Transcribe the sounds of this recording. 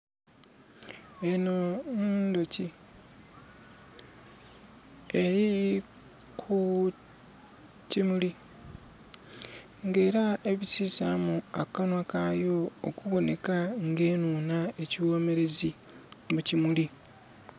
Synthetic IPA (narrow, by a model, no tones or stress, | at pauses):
enonndoci | eɾi | kʰu | cimuli | ŋɡe̞ːɾaʔe̞βisiːsamua̰kanwakajo̞o̰kuβo̞ne̞kaŋɡe̞ːnuːnae̞ciwo̞ːme̞ɾe̞zi | mucimuli